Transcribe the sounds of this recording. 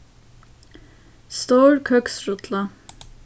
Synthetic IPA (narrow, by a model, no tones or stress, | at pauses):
st̪oːɹkʰœksɹʊt̪ʰlə